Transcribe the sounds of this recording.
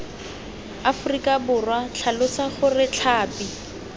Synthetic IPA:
afʊrikʼabʊrwat͡ɬʰalʊt͡saχʊrɪt͡ɬʰaːpʼi

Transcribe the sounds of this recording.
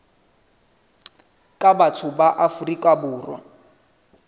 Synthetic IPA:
kʼabatʰʊbaʔafurikʼabʊːrwa̰

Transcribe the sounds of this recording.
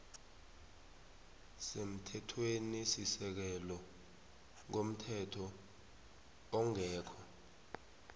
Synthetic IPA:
sem̩tʰɛtʰwenisisɛk̬ɛlɔ | ŋkom̩tʰɛtʰɔ | ɔŋɛːkʰɔ

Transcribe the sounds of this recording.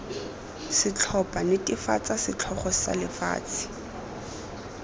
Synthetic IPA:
sɪt͡ɬʰɔpʼanɪtʼɪfat͡sʼasɪt͡ɬʰɔχɔsa̰lɪfa̰ːt͡sʼɪ̥

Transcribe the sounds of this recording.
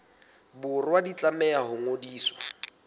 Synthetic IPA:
bʊrwadit͡ɬʼamɛahʊŋodiːswa

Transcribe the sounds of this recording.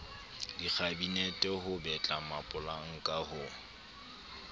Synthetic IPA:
dik͡xʰabinɛtʼɛhʊbɛt͡ɬʼamapʼʊlaŋ̩kʼahʊ

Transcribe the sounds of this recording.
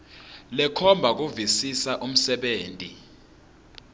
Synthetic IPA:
lɛkʰɔmbʱak̬uvisisaʔum̩sɛɓeːntʼi

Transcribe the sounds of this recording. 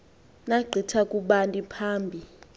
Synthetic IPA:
naɡ͡ǀʱitʰakʼuɓantʼipʰaːmbʱi

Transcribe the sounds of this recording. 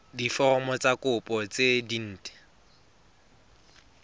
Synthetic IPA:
difɔmɔt͡sakʼʊpʼɔt͡sedin̩ːtʼɛ̥

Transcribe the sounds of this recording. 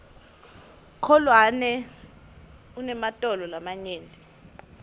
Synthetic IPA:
kʰɔlwanɛ | unɛmatʼɔlɔlamaɲeːnɛ

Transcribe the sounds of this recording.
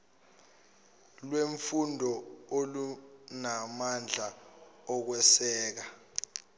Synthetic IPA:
lweɱfundʱɔolunamand͡ɮʱaɔk̬wɛsɛːk̬a

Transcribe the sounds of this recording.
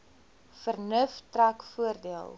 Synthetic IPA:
fərnəftrækfuərdiəlˠ

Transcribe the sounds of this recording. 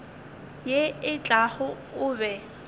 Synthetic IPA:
jeɪt͡ɬʼaχʊ | ʊːbɛ

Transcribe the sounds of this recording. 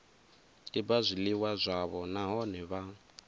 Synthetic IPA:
ibazʷiliwazʷaβɔnaɦɔnɛβa

